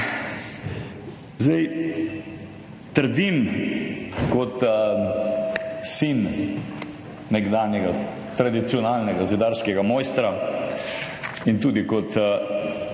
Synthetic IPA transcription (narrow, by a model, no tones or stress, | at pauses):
zɛj | t̪əɾd̪im | kɔt̪ | sin | ɛɡd̪aːnjɛɡa | t̪ɾad̪it̪siɔnaːlnɛɡazid̪aɾskɛɡamɔjst̪ɾa | int̪uːd̪ikɔt̪